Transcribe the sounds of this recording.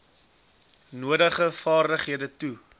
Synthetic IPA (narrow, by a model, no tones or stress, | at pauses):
nuədəχəfɑːrdəχɦiədətu